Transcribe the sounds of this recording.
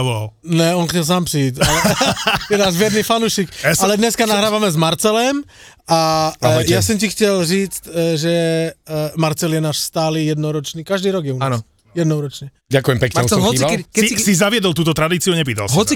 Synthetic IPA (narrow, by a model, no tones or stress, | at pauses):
ʋɔlal | nɛɔnxtɛls̬aːmpriicalɛjɛnazʋɛd̪nifanuːʃikɛsalɛd̪ɲɛskanaɦɾaːʋamɛzmaɾt͡sɛlɛmajasɔmcixcɛlʒiːt͡scʒɛ | maɾt͡sɛljɛnaːʃst̪aːliːjɛd̪nɔɾɔt͡ʃniːkaʒd̪iːɾɔɡjɛunːanːs | jɛd̪nɔɾɔt͡ʃɲɛ | ɟakujɛmpɛkɲaɦɔakɛisizaʋɪɛd̪ɔlˠt̪uːt̪ɔt̪ɾad̪iːt͡siuaɲɛpiːt̪alsɦɦɔi